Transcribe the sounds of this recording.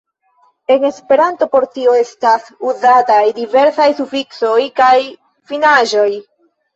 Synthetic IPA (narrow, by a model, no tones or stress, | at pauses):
e̞ŋe̞spe̞ɾanto̞po̞ɾtio̞e̞stasuzatajdive̞ɾsajsufikso̞jkaj | finaʒo̞j